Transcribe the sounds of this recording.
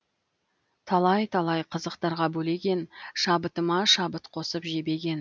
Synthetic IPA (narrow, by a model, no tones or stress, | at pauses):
t̪ʰɑlˠɑjt̪ʰɑlˠɑjqʰəzəqt̪ɑɾʁɑbɵle̞ɡʲe̞nʃɑbət̪əmɑʃɑbət̪qʰo̞səpʒe̞be̞ɡʲe̞n